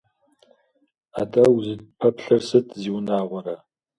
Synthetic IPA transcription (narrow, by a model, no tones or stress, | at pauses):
adʼɐwzɨdpʰɐpɬɐrsɨtʰziwnaːʁʷɔɾɐ